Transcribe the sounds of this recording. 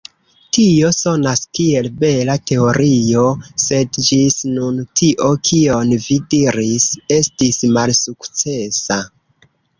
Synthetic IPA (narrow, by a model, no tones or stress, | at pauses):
tio̞so̞naskie̞lbe̞late̞o̞ɾio̞se̞dd͡ʒisnuntʰiʔo̞kʰio̞nvidiɾise̞stismalsukt͡se̞sa